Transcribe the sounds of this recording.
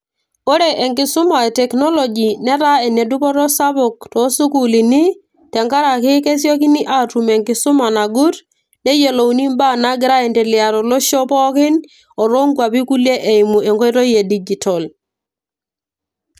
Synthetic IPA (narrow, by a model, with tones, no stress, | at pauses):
o˦ɾe˨ʔe˨ŋkɪ˨sʊ˦ma˨e˨tɛ˨knɔ˦lo˨d͡ʒi˨nɛ˦ɾa˦e˨ne˨du˦pɔ˦ɾɔ˦sa˦pɔ˨k̚tɔ˨˦su˦ku˨li˨ni˦ | tɛ˨ŋka˦ɾa˨kɪ˦ke˦s̬jɔ˦ki˦ni˦ʔa˦tu˨mɛ˨ŋkɪ˨sʊ˦ma˨na˨ɡu˦ɾ | ne˦je˨lo˨wni˦mba˦˨na˦ɡɪ˦ɾa˦ɛ˨ntɛ˨li˨a˨ɾɔ˨lɔ˦ʃɔ˦pɔ˦kɪ˦n | ɔ˨ɾo˦ŋɡwa˨p̬i˦ku˦le˦ʔe˨i˨mu˨e˨ŋɡɔ˦i˦to˦je˨di˦d͡ʒi˨tɔ˨l